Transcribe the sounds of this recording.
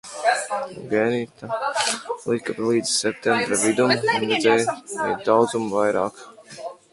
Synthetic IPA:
ɡɛnit̪a | lˠikaplˠiːd̪zsɛp̚t̪ɛmbɾavid̪umɾɛd̪zɛjɛ̰jd̪awd̪zumvajɾaːk

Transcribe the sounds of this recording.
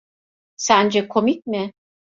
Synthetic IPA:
sænd͡ʒɛkʰomic̚mɪ

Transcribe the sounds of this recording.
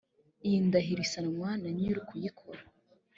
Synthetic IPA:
indaɦiɾisanamwanaɲiɾukʰujikʰoɾa

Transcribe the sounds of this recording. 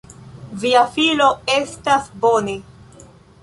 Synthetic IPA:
viafilo̞e̞stasbone̞

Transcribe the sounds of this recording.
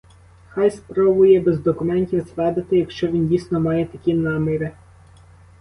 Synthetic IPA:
xɑjspɾɔbʊjɛbɛzd̪ɔkʊmɛnʲtʲiwsʋɛd̪ɐt̪ɪjɐkʃt͡ʃɔʋʲindʲijsʲnɔmɑjɛt̪ɐkʲinɑmɪɾɪ

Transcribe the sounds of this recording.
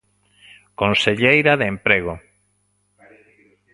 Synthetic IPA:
konseʎejɾaðeempɾeɣ̞o

